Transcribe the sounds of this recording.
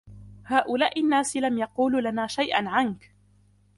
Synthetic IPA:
haːʔʊlaːʔɪnːaːsɪlamjɑquːluːlanaːʃajʔa̰nʕank

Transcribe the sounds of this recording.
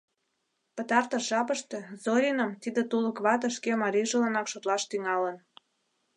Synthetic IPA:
pət̪ɑrt̪əʃʒɑpəʃt̪ezoɾʲinəmt̪id̪et̪uləkβɑt̪əʃkemɑɾiʒələnɑkʃot̪lɑʃt̪yŋɑlən

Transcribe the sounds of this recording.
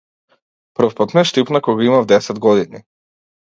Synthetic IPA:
pr̩fpat̪mɛʃt̪ipnakɔɡaimavd̪ɛsɛd̪ɡɔd̪ini

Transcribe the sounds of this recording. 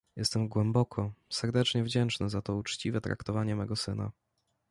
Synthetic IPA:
jɛst̪ɛmɡwɛmbɔkʰɔsɛɾd̪ɛt͡ʂɲɛvd͡ʑɛnt͡ʂnɘzat̪ɔut͡ʂt͡ɕivɛt̪ɾa̰kt̪ɔvaɲɛmɛɡɔsɘna̰

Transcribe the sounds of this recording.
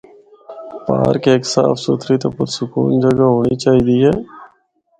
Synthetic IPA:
pa̰ːɾkeːksa̰ːfsoːt̪ʰɾiːt̪opəɾsʊkṵːnd͡ʒəɡaːɦoːniːt͡ʃaːɦiːd̪iːɦɛː

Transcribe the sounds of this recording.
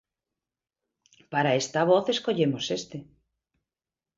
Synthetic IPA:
paɾaest̪aβ̞oθeskoʎemosest̪e

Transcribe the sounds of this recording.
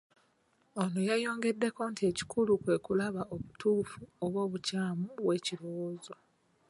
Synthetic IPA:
onojajo̞ːŋɡe̞dːe̞ko̞ːntie̞ci̥kʰulukwe̞ːkulaβaoβutuːfuoβwo̞ːβucaːmuβwe̞ːciɾuwoːzo

